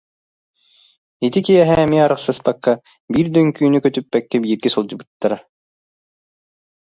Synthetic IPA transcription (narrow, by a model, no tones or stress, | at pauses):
it̪ikijɛɦɛːmiaɾɯχsɯspakːa | biːɾd̪œŋkyːnykœt̪ypːɛkːɛbiːɾɡisulˠd͡ʑɯ̆bɯt̪ːaɾa